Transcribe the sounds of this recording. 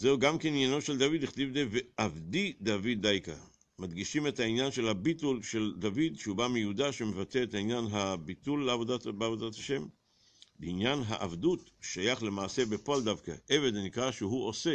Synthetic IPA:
zeuɡamkeninjano̞ʃe̞ld̪avid̪iχtivd̪eveʔavd̪id̪avid̪ːajka | mad̪ɡiʃime̞thainjanʃe̞lhabitulʃeld̪avid̪ʃeubamejudaʃemevateethainjanɦabit̪ulːeavodabeavodathaʃe̞m | beinjanɦa̰ʔavd̪utʃajaχle̞maːse̞bepoald̪avka̰ʔe̞ve̞d̪nikʁaʃeɦuose̞

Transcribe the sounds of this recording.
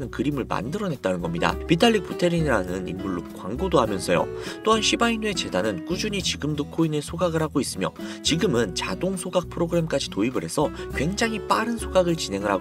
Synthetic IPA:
nɯnkɯɾimɯɭma̰ndɯɾʌnet̚t͈anɯnɡʌmɲida̰pitʰaʎːik̚p͈ʰutʰe̞ɾiniɾanɯnḭmːuɭːokwaŋɡodohamjʌnsʰʌjo̰t͈oɦanɕʰibainue̞t͡ɕe̞danɯnkud͡ʑuɲit͡ɕiɡɯmdokʰoine̞sʰoɡaɡɯɾɦaɡois͈ɯmjʌt͡ɕiɡɯmɯnt͡ɕa̰doŋsʰoɡak̚pʰɯɾoɡɯɾe̞mk͈ad͡ʑitoibɯɾɦe̞sʰʌkwe̞ŋd͡ʑaŋɦip͈aɾɯnsʰoɡaɡɯɭt͡ɕine̞ŋɯɾɦa

